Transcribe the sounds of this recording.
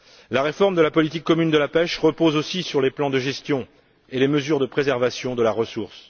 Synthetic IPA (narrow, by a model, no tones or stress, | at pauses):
laʁefɔʁmd̪əlapɔlit̪ikːɔmynd̪əlapɛʃʁəpozosisyʁleplɑ̃d̪əʒɛst̪jɔ̃ | eleməzyʁd̪əpχezɛʁvasjɔ̃d̪əlaʁəsuʁs